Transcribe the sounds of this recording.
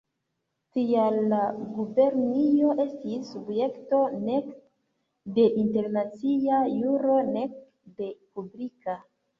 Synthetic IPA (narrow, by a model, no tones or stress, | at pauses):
tialːaɡube̞ɾnijo̞ʔe̞stisːubje̞kto̞ne̞k | de̞ʔinte̞ɾnat͡siajuɾo̞ne̞k̚ | de̞publika